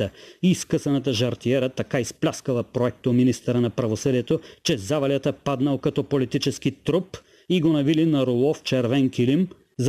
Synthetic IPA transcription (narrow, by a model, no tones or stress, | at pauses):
əiskəsɐnɐt̪əʒɐɾt̪iɛɾət̪ɐkaisplʲaskəlˠəpɾoɛk̚t̪ominist̪əɾənɐpɾɐvosəd̪iɛt̪ot͡ʃɛzavɐlʲjət̪əpad̪nɐlˠkɐt̪ɔpolit̪it͡ʃɛsk̟it̪ɾup | iɡonɐvilinɐɾolˠɔft͡ʃɛɾvɛŋkilim | z